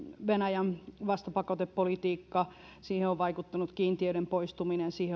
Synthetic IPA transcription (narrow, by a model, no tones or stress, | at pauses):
ʋenæjænʋɑst̪ɑpɑkɑt̪eppolit̪iːkːɑ | siːheoʋʋɑikut̪ːɑnut̪kiːnt̪iøyɾempoist̪uminensiːhe